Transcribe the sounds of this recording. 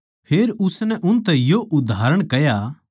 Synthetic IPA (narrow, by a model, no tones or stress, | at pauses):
pʰeːɾʊsnɛʔʊnt̪ɛ̃joʔʊd̪ʱaːɾəɽ̃kɛja